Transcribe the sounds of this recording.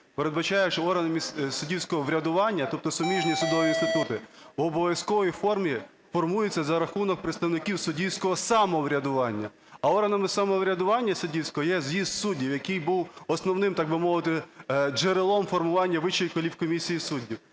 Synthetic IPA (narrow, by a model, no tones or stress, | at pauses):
peɾed̪bɐt͡ʃɑjɛʃt͡ʃɔɔrɦɐnɐmʲissʊdʲiwsʲkɔɦɔʋɾʲɐd̪ʊʋɑnʲːɐt̪ɔp̚t̪ɔsʊmʲiʒnʲisʊd̪ɔʋʲiinst̪ɪt̪ut̪ɪuɔbɔʋʲjʲɐskɔʋɔjifɔrmʲi | fɔrmujɪt͡sʲːɐzɐɾɐxunɔk̚pɾeɪt̪st̪ɐwnɪkʲiwsʊdʲiwsʲkɔɦɔsɑmɔʋɾʲɐd̪ʊʋɑnʲːɐ | ɐɔɦɐnɐmɪsɐmɔʋɾʲɐd̪ʊʋɑnʲːɐsʊdʲiwsʲkɔɦɔjɛzjizt̪sudʲːiwjɐkɪjbuwɔsnɔwnɪmt̪ɑɡ̚bɪmɔʋɪt̪ɪd͡ʒeɾelˠɔmfɔrmʊʋɑnʲːɐʋɪʃt͡ʃːijkɔlʲiwkɔmʲisʲijisudʲːiw